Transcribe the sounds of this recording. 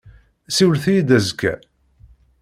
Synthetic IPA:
siwlθijid̪æzkːæ̰

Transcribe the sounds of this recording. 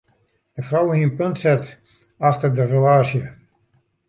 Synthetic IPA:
dəfrɔwəiənpøntsɛt | axtərdərəlaːsjə

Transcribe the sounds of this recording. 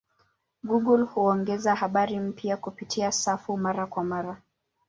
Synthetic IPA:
ɡuɡulhuɔŋɡɛzahaɓaɾim̩pjakupitʰiasafumaɾakwamaɾa

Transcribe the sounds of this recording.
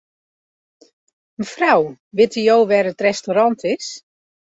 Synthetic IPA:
ənəfraw | ʋɪtijowʋɛrətrɛstoɾɑntʰɪs

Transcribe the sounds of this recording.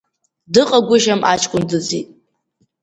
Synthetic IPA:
dɨqʼaɡʷʊʒamʔat͡ʃʰʼkʷʼʊndɨd͡zḭtʼ

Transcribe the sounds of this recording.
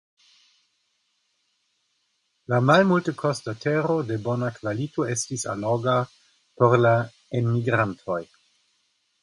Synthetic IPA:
lamalmultəkʰostatʰeɾo̞de̞bo̞nakvalitoe̞stisa̰loɡa | poɾla | enmiɡɾantʰo̞j

